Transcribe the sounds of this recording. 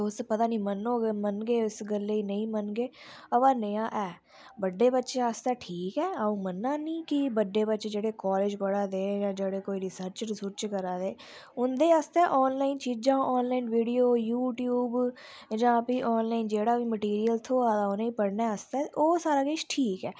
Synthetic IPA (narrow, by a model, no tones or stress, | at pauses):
ʊspət̪ãːnĩːmənːoːmənɡeːʊsɡəlːeːiːnə̃ĩːmənɡeː | əbãːnəjãːʔɛː | bəɖːeːbətːʃẽːəst̪ɛːʈʰiːkɛːaːũːmənːãːnĩːkibəɖːeːbətːʃẽːd͡ʒeːɽeːkɔːleːd͡ʒpəɽãːd̪eːjãːd͡ʒeːɽeːkoːiːɾɪsəɾt͡ʃɾɪsʊɾt͡ʃkəɾaːd̪eː | ʊnd̪eːast̪ɛːʔɔːnlaːint͡ʃiːd͡ʒãːʔɔːnlaːiːnʋiːɽijoːjuːʈjuːb | d͡ʒãːpĩːʔɔːnlaːind͡ʒeːɽaːʋiːməʈiːɾijəlt̪ʰoːaːd̪aoneĩːpəɽnɛːəst̪ɛːoːsaːɾaːkɪʃʈʰiːkɛː